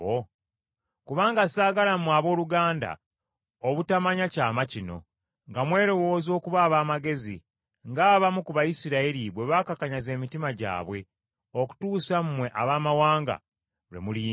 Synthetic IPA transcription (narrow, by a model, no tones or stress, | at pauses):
o | kuβaːŋɡasaːɡalamaβo̞ːluɡaːnda̰ | oβutamaɲacaːmacino̞̰ | ŋɡamwe̞ːɾo̞wo̞ːzo̞ːkuβaːβaːmaɡe̞zḭ | ŋɡaːβamukuβaisiɾaiɾiβwe̞βaːkakaɲaze̞ːmitimaɟa̰ːβwe̞ | o̞ku̥tuːsam̩mwe̞ʔaβaːmawaːŋɡa̰ | βḛmuli